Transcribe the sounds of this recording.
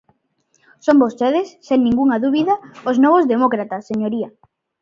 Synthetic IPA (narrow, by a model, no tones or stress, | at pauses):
sombost̪eðesːeŋnĩŋɡuŋaðuβiðaoznɔβozðemokɾat̪asːeɲoɾia